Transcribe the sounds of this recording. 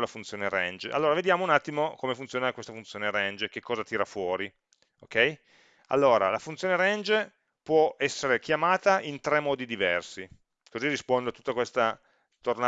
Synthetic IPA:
lafunt̪sjoːneɾɛ̰nd͡ʒa̰lːoːɾaved̪jaːmounat̪ːimokomefunt̪sjoːnakwest̪afunt̪sjoːneɾɛnd͡ʒk̟ekːɔːzat̪iːɾafwɔːɾi | okɛj | a̰lːoːɾa̰lafunt̪sjoːneɾɛnd͡ʒ | pwɔɛsːeɾekjamaːt̪aʔint̪ɾɛmːɔːd̪id̪ivɛrsi | kozirispond̪oat̪u̥t̪ːakwest̪a | t̪orna

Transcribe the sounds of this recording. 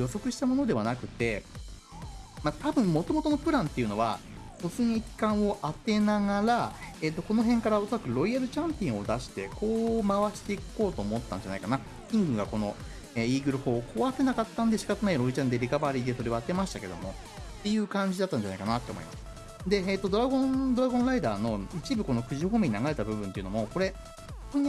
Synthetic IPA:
jo̞so̞kɯ̟ɕi̥t̪amo̞no̞d̪e̞βanakɯ̟t̪e̞ | mat̪abɯ̟̃mmo̞t̪o̞mo̞t̪o̞no̞pɯ̟ɾãnt̪ːe̞jɯ̟no̞βa | so̞t͡sɨɲ̟ikʲi̥kãɰ̃o̞ʔat̪e̞naɡaɾaeːt̪ːo̞ko̞no̞ɦẽ̞ŋkaɾaoso̞ɾakɯ̟ɾo̞iaɾɯ̟t͡ɕãmpʲĩɰ̃o̞d̪aɕi̥t̪e̞ko̞ːmaβaɕi̥t̪e̞iko̞ːt̪o̞ːmo̞t̪ːãɲ̟d͡ʑanaikana | kʲĩŋɡɯ̟ŋɡako̞no̞ | eːiːɡɯ̟ɾɯ̟ho̞ːko̞βase̞nakat̪ːãnd̪e̞ɕi̥kat̪ɯnaiɾo̞it͡ɕãnd̪e̞ɾʲikabaɾʲiːd̪e̞so̞ɾe̞βaːt̪e̞maɕi̥t̪ake̞d̪o̞̰mo̞ | t̪ːe̞jɯ̟ːkãɲ̟d͡ʑid̪at̪ːãɲ̟d͡ʑanaikanat̪ːe̞omoḭmasɨ̥ | d̪e̞eːt̪ːo̞d̪o̞ɾaɡõ̞nd̪o̞ɾaɡõ̞nɾaid̪a̰ːno̞it͡ɕibɯ̟ko̞no̞kɯ̟ʑihoːmeɲ̟ĩnaɡaɾe̞t̪abɯ̟bɯ̟̃nt̪e̞iɯ̟nomo̞ko̞ɾe̞ | t̪oɲ̟i

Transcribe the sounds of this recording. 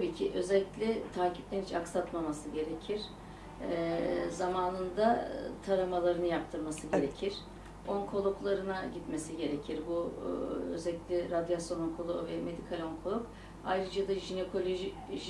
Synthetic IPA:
t̪ʰabiːcʰiʔø̞zɛlʲːicʲlʲɛt̪ʰaːcʰiplʲeɾnit͡ʃʰaksat̪mamasɯɟe̞ɾecʰiɾ̥ | zamaːnɯnd̪at̪ʰaɾamalˠaɾɯnɯjap̚t̪ʰɯɾmasɯɟeɾecʰiɾ̥ | o̞ŋkʰo̞lˠuklˠaɾɯnaɟit̪me̞siɟe̞ɾecʰiɾbu | ø̰zɛlʲicʲlʲɛɾad̪jasjo̞noŋkʰolˠovɛme̞d̪ikʰalʲo̞ŋkʰo̞lˠuk | ajɾɯd͡ʒad̪aʒine̞kʰo̞lʲo̞ʒiʒ

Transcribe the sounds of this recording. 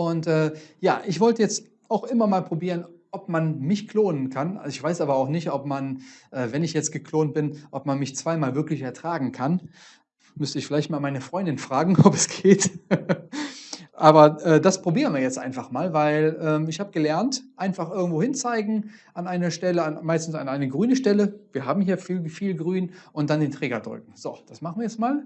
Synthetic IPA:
ʔʊntʔɛːjaːʔɪçv̥ɔltəjɛt͡st | aʊxʔɪmɐmaːlpʁ̥obiːʁ̞ənʔɔpmanmɪçkl̥oːnənkʰanɪçv̥aɪsʔaːbɐaʊxnɪçtʔɔpmanʔɛːvɛnɪçjɛt͡stɡ̥əkʰloːnt̚b̥ɪnʔɔp̚manmɪçt͡sv̥aɪmaːlvɪɐklɪçɛɐtʁ̥aːɡŋ̩kʰan | mʏstəɪçfɪlaɪçtmaːlmaɪnəfʁ̥ɔʏndɪnfʁ̥aːɡŋ̩ɔpɛsɡ̥eːt | ʔaːbɐʔɛːdaspʁ̥obiːʁənviɐjɛt͡stʔa̰ɪnfaχmaːlvaɪlʔɛːmɪçhaːbəɡəlɛɐntʔaɪnfaχʔɪɐɡŋ̩tv̥oːhɪnt͡saɪɡŋ̩ʔanʔaɪnɐʃtɛləanmaɪstn̩sanʔaɪnəɡʁyːnəʃtɛləviːɐɦaːbm̩hiːɐfiːlfiːlɡʁyːnʔʊnt̚d̥andeːntʁ̥eːɡɐdʁʏ̰k̚ŋ̩z̥o̰ːd̥asmaχn̩viːjɛt͡stmaːl

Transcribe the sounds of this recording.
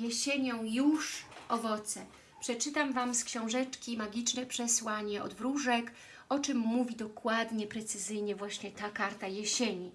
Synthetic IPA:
jɛɕeɲɔ̃w̃juʂʔɔvɔt̪sɛ | pʂɛt͡ʂɘt̪amvamskɕɔ̃w̃ʐɛt͡ʂkʲimaɡʲit͡ʂnɛpʂɛswaɲɛʔɔ̰d̪vɾuʐɛk | ɔt͡ʂɘmːuvʲid̪ɔkwad̪ɲɛpɾɛt̪sɘzɘjɲɛvwaɕɲɛt̪akaɾt̪ajɛɕeɲi

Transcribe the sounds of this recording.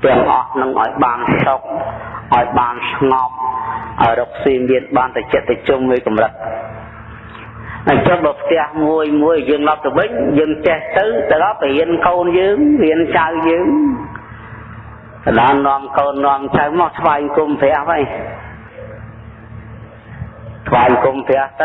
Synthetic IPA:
t̪ɛ̆əŋʔɑ̰hnɨŋʔa̰ɔjɓaːnsok̚ʔaɔjɓaːnsʰŋɑmʔaɔjroːk̚siːmiənɓaːnt̪at͡ɕɛʔt̪ɨt͡ɕumːiəjkɑmrɨt̪̚ | ʔat͡ɕəŋɓəːpʰt̪ɛ̆əhmuəjmuəjːəːŋloɔp̚t̪əɓɨɲjəːŋt͡ɕeht̪ɨwt̪ɨwɗɑlpəhiənkoːnjəːŋhiənt͡ɕawjəːŋ | t̪ɗaənnːŏəmkoːnːoəmt͡ɕawmat̪ʰʋaɛŋkumpʰɛ̆əhʋaj | t̪ʰʋaɛŋkumpʰɛ̆əht̪ɨ

